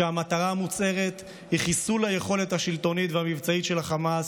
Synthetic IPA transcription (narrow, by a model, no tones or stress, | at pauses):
eamat̪aʁaːmut͡se̞ʁet̪ | hiχisulajeχo̞le̞t̪haʃilto̞nit̪veamivt͡saitʃe̞laχamas